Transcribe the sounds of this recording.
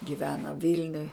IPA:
ɡʲɪˈʋʲæːnɐ ˈʋʲɪlʲnʲʊj

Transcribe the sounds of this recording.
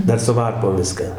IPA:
ˈdɐr sʊ ˈʋɐrpoːm ˈʋʲɪskɑː

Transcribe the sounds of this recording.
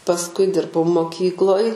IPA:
pɐsˈkʊɪ ˈdʲɪrbɐʊ moːˈkʲiːklˠoːj

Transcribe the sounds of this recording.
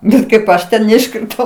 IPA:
ˈbʲɛt kɐɪp ˈɐʃ tʲɛn nʲɛɪʃkrʲɪˈtɐʊ

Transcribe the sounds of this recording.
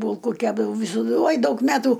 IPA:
ˈbuːlˠkʊ ˈkʲæːbdɐʋɐʊ ʋʲɪsoːˈdʊ ˈoːj ˈdɐʊk ˈmʲæːtuː

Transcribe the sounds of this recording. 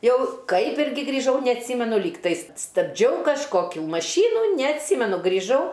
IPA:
ˈjɛʊ ˈkɐɪp ˈɪrʲɡʲɪ ɡrʲiːˈʒɐʊ nʲɛɐtʲˈsʲiːmʲɛnʊ ˈlʲiːktɐɪs stɐbʲˈd͡ʒʲɛʊ kɐʃˈkoːkʲʊ mɐˈʃʲiːnʊ nʲɛɐtʲˈsʲiːmʲɛnʊ ɡrʲiːˈʒɐʊ

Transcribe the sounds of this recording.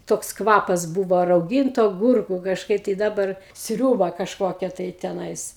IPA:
toːks ˈkʋɑːpɐs ˈbuːʋoː rɐʊˈɡʲɪntʊ ɐˈɡʊrkuː kɐʃˈkɐɪp tɐɪ ˈdɑːbɐr ˈsʲrʲuːbɐ kɐʃˈkoːkʲɛ tɐɪ tʲɛˈnɐɪs

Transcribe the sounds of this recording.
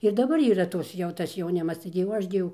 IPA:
ɪr dɐˈbɐr iːˈrɐ ˈtoːs jɛʊ ˈtɐs jɛʊˈnʲɪmɐs ˈtɐɪɡʲɪ jɛʊ ˈɐʃ ɡʲɪ ˈjɛʊ

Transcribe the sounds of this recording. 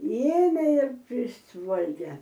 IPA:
ˈeːmʲeː ɪr ˈpʲrʲɪsʋɐlʲɡʲɛ

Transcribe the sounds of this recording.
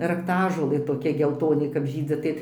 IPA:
rɐkˈtɑːʒoːlˠɘ toːˈkʲɛ ɡʲɛlˠˈtoːnʲɪ kɐp ˈʒʲiːd͡zʲɪ tɐɪ

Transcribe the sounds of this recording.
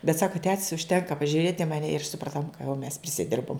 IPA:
bʲɛt ˈsɑːkɐ tʲɛtʲsʲ ʊʃʲˈtʲɛŋkɐ pɐʒʲʊˈrʲeːtʲ ɪ mɐˈnʲɛ ɪr sʊprɐˈtoːm kɐ jɛʊ mʲɛs pʲrʲɪsʲɪˈdʲɪrboːm

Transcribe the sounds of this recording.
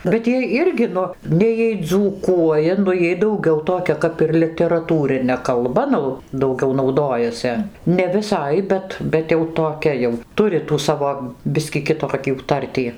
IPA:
bʲɛt ˈjiɛ ˈɪrʲɡʲɪ ˈnʊ ˈnʲɛɪ jiɛj d͡zuːˈkuɔjɛ nʊ ˈjiɛj dɐʊˈɡʲɛʊ toːˈkʲɛ ˈkɐp ɪr lʲɪtʲɛrɐˈtuːrʲɪnʲɛ kɐlˠˈbɐ ˈnʊ dɐʊˈɡʲɛʊ nɐʊˈdoːjɛsʲɛ nʲɛ ʋʲɪˈsɐɪ ˈbʲɛt bʲɛt jɛʊ toːˈkʲɛ jɛʊ ˈtʊrʲɪ tuː ˈsɑːʋoː ˈbʲɪsʲkʲiː kʲɪˈtoːkʲuː ˈtɐrʲtʲiː

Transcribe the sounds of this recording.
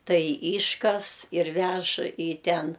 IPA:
ˈtɐɪ ˈiːʃkɐs ɪr ˈʋʲɛʃ iː ˈtʲɛn

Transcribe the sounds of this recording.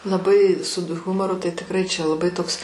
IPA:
lˠɐˈbɐɪ sʊt ˈɣʊmoːrʊ tɐɪ tʲɪkˈrɐɪ t͡ʃʲɛ lˠɐˈbɐɪ ˈtoːks

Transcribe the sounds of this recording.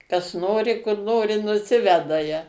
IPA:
kɐs ˈnoːrʲɪ kʊr ˈnoːrʲɪ nʊˈsʲɪʋʲɛdɐ jɛ

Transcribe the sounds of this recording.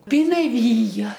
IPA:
pʲɪnɐˈʋʲiːjɛ

